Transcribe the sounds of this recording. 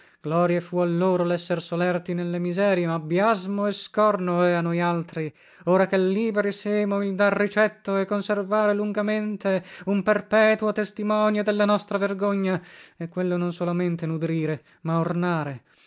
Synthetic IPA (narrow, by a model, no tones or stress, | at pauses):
ɡ̥lɔːɾjefualːoːɾolɛsːersolɛrt̪inelːemizɛːɾjemabjazmoɛskɔrnoɛanojalt̪ɾi | oːɾakelːiːbeɾiseːmoild̪arːit͡ʃɛt̪ːoɛkːonservaːɾeluŋɡament̪eumperpɛːt̪uot̪est̪imɔːnjod̪elːanɔst̪ɾaverɡoɲːaɛkːwelːononsolament̪enud̪ɾiːɾe | maornaːɾe